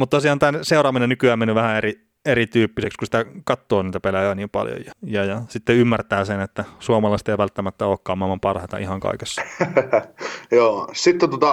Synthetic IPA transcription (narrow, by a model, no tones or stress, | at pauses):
mut̪t̪osiɑːnt̪ænseurɑːminenykyæːmenyʋæhæeri | erit̪yːpːisekskusit̪ækɑt̪ːoːniːt̪æpelæjøːniːmpɑ̰ljo̰jjɑjɑjɑsit̪ːeymːært̪æːsenet̪ːæsuɑmɑlɑist̪eiʋælt̪ːæmæt̪ːæoːkkɑːmːɑmːɑmpɑrhɑt̪ɑ̰ʔihɑŋkɑ̰ikesːɑ̥ | joːsit̪ːet̪uot̪ɑ